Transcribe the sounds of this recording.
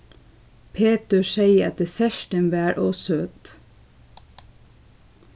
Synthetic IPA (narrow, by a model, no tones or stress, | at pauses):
pʰeːt̪əʃeɪəɑ̰t̪̚d̪eːsæʃʈənʋæːɾʔoːsøːt̪